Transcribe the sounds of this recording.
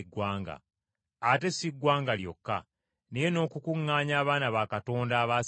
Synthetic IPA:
ɡwaːŋɡa̰ | ate̞siɡwaːŋɡaljo̞̰kːa̰ | nejeno̞ːkukuŋːaːɲaːβaːnaβakato̞ːndaːβa

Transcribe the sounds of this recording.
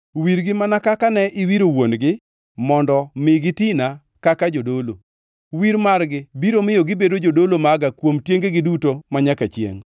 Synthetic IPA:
wiɾɡɪmanakakanɛʔɪwiɾowonɡɪ | mɔndɔmɪɡɪtɪna | kakad͡ʒodolo̰ | wiɾmaɾɡɪbiɾomɪjoɡɪbedod͡ʒodolomaɡakwomtjeŋɡeɡɪdutomaɲakat͡ʃjḛŋ

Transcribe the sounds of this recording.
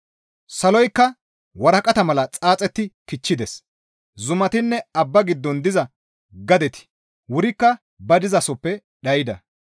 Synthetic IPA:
sɐlɔjkːɐ | wɐɾɐkʼɐt̪ɐmɐlɐt͡sʼaːt͡sʼɛt̪ːɪkɪt͡ʃːɪd̪ɛs | zʊmɐt̪ɪnːɛɐbːɐɡɪd̪ːɔnd̪ɪzɐ | ɡɐd̪ɛt̪ɪ̥ | wʊɾɪkːɐ | bɐd̪ɪzɐsɔpːɛ | ɗɐjɪd̪ɐ̰

